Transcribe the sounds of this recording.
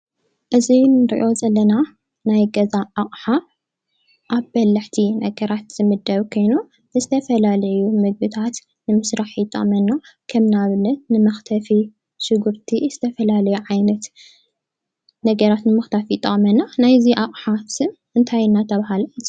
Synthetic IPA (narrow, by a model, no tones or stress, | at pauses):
ʔɨzinɨɾḭʔo̞zɐlːɐna | najɡɐzaʔaχʼħa | ʔaβːɐlːɨħt̪ʰinɐɡɐɾat̪z̥ɨmɨd̪ːɐβkʰo̞jnu | nɨzɨt̪ʰɐfɐlalɐjumɨɡ̚bɨt̪ʰat̪ | nɨmɨsɾaħjɪt̪ʼɐ̰χʼmɐnːakʰɐmnaβɨnːɐt̪̚nɨmɐxt̪ʰɐfi | ʃɨɡuɾt̪ʰiz̥ɨt̪ʰɐfɐlalɐjuʕajnɐt̪ | nɐɡɐɾat̪nɨmɐxt̪ʰɐfjɪt̪ʼːɐ̰χʼmɐnːanajziʔaχʼħasɨn | ɨnt̪ʰajɪnːat̪ʰɐβaɦalz